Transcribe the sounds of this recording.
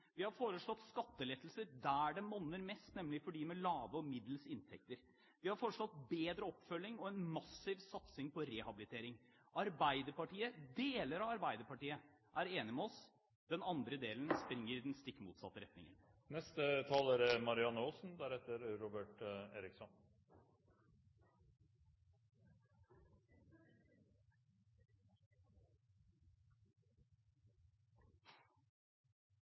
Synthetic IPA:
ʋɪhɑɾfoːɾəʂɭɔt̪ːskɑt̪ːəlɛt̪l̩səɾd̪ææɖɛmɔnːəɾmɛst̪nɛmːlɪfɔɖiːmɛlɑːʋəɔmɪd̪l̩sɪnt̪ʰɛk̚t̪əɾ | ʋɪhɑɾfoːɾəʂɭɔt̪beːd̪ɾəɔpːfœlːɪŋɔɛnmɑsɪʋsɑt̪sɪŋpɔɾɛhɑbɪlɪt̪ʰeːɾɪŋ | ɑɾbæɪd̪əpɑʈiːəd̪eːləɾɑɑɾbæɪd̪əɾpɑʈiːə | ʔæɾeːnɪmɛɔs | d̪ɛnɑnd̪ɾəd̪eːlənspɾɪŋːəɾɪd̪ɛnst̪ɪkːmṵːt̪sɑ̰t̪ːəɾɛt̪nɪ̰ŋə̰n | nɛst̪ət̪ʰɑːləɾmɑɾɪɑnəoːsnd̪æɾɛt̪ːəɾɾɔbəʈeːɾɪksɔn

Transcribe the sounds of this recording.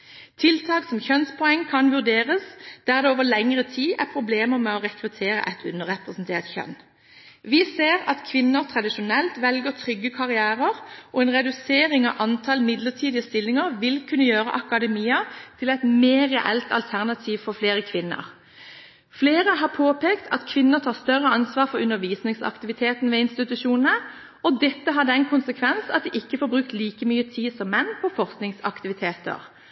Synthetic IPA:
t̪ʰɪlt̪ʰɑːksɔmçœnspʰɔɛŋːkʰɑnʋʉʁd̪eːʁəsd̪̥æʁd̪ɛoːʋəlɛŋʁət̪ʰiːæ̰ʁpʰʁʊbleːməʁmɛɔʁɛkɾʉt̪ʰeːɾə̰ʔɛt̪ʰʉnːəʁɛpʁɛsn̩t̪ʰeːʁt̪çœ̰n | ʋɪseːʁɑt̪kʰʋɪnːəʁt̪ʰʁɑd̪ɪʃʊnɛlt̪ʋɛlɡəʁt̪ʰʁʏɡːəkʰɑʁɪæːʁəʁʔɔɛnʁɛd̪ʉseːɾɪŋɑ̰ʔɑnt̪ʰɑlmɪd̪ləʁt̪ʰiːd̪ɪəst̪ɪlːɪŋəʁʋɪlkʰʉnːəjøːʁə̰ʔɑkɑd̪ɛmiːɑt̪ʰɪlɛɪt̪meːʁɛ̰ʔɛ̰lt̪ɑ̰lt̪ʰæʁnɑt̪ʰiːʋfɔʁfleːɾəkʰʋɪnːə̰ʁ | fleːɾəɦɑːpʰoːpʰeːkt̪ʰɑ̰t̪kʰʋɪnːət̪ʰɑːʁst̪œʁəɑnsʋɑːʁfɔʁʉnəɾʋiːsnɪŋsɑ̰kt̪ɪʋɪt̪ʰeːt̪nʋɛːɪnst̪ɪt̪ʉʃuːnənə | ɔd̪ɛt̪ːəɦɑd̪ːəɛɪnkʰʊnsəkʰʋɛnsɑ̰t̪̚d̪iʔɪkːəfoːɾbʁʉkt̪liːkəmyːət̪ʰiːd̪sɔmːɛnːpʰɔfɔɾsknɪŋsɑ̰kt̪ɪʋɪt̪ʰeːt̪ə̰ʁ

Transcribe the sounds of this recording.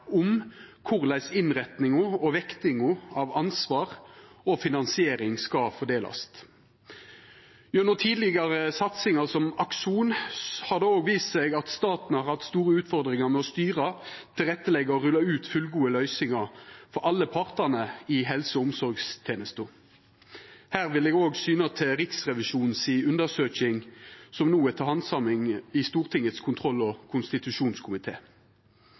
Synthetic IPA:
ʊmkʰʊʁlæɪsɪnʁɛt̪nɪŋʊɔʋɛkt̪ɪŋʊɑʋɑnsʋɑːʁɔfɪnɑnsɪeːɾɪŋskɑfɔd̪eːlɑ̰st̪ | jʊnʊt̪ʰiːd̪lɪɡɑɾəsɑt̪sɪŋɑʁsɔmɑkʃuːnhɑʁd̪ɛoːɡʋiːst̪sɛɡɑt̪st̪ɑːt̪nəhɑɾʁhɑft̪st̪uːɾəʉːt̪fɔʁd̪ʁɪŋɑʁmɛɔst̪yːʁət̪ʰɪlʁɛt̪ːəlɛɡəɔʁʉlːɑʉːt̪fʉlɡuːəlœʏsɪŋɑʁfɔɾɑlːəpʰɑʁt̪əʁnəɪɦɛlsəʊmsɔɾɡst̪ʰeːnəst̪ʊ | hæːʁʋɪlɛːɡoːɡsyːnɑt̪ʰɪlʁɪksʁɛʋɪʃuːnn̩siːʉnd̪əʁsøːçɪŋsɔmnuːɛt̪ʰɑːhɑnsɑmɪŋɪst̪uːʁt̪ʰɪŋət̪skʰʊnt̪ʰʁɔlːɔkʰʊnst̪ɪt̪ʉʃuːnskʰʊmɪt̪ʰeː

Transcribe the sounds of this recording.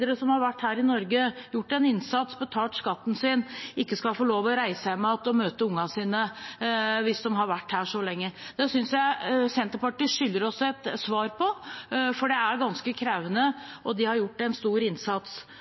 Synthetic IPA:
əɾəsɔmhɑɾʋæʈːhæːɾɪnɔɾɡəjʊʈːɛnɪnsɑt̪sbət̪ʰɑːlt̪skɑt̪ːn̩sɪnɪkːəskɑfoːɭoːʋɔɾæɪsæɪmɑːt̪ɔmøːt̪əʊŋːɑsiːnə | ʋɪsd̪ɔmɦɑɾʋæʈːhæːʂɔlɛŋːəd̪̥ɛsʏnsjæɪsɛnt̪əɾpɑʈɪʂʏlːəɾɔsːɔɛt̪sʋɑːɾpʰɔfɔɖɛæɾɡɑnskəkʰɾæʋənəʔɔd̪ɪhɑɾjʊʈːɛnst̪uːɾɪnsɑt̪s

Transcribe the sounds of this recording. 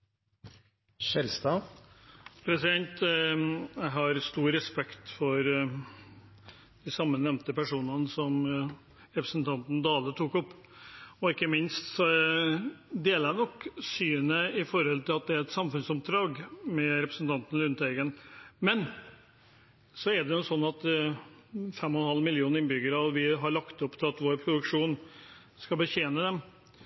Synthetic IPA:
ʃɛlst̪ɑ | pʰɾɛsɪd̪ɛnt̪ | jæɪɦɑɾst̪uːɾɾɛspɛkt̪fɔɾ | d̪̥ɪsɑmːənɛmnt̪əpæʂuːnɑnəsɔm | ɾɛpɾəsn̩t̪ʰɑnt̪n̩d̪ɑːlət̪ʰuːkɔpː | ɔɪkːəmɪnst̪sɔ | d̪eːlənɔkːsyːənəɪfɔɾhɔlt̪ʰɪlɑt̪̚d̪ɛæɾɛt̪sɑmfʉnsɔp̚d̪ɾɑːɡmɛɾɛpɾəsn̩t̪ʰɑnt̪ən̩lʉnt̪ɛɡənmɛn | sɔɛɖɛnʊsɔnːɑt̪ | fɛmːɔnhɑlːmɪljuːnɪnbʏɡəɾɑʋʋɪɦɑɭɑkt̪ɔpːt̪ʰɪlɑt̪ʋoːɾpʰɾʊd̪ʉkʂuːn | skɑbəɕeːnəd̪ɛm

